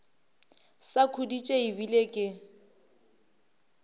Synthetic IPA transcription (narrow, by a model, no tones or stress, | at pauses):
sakʰudit͡ʃʼeibilekʼɪ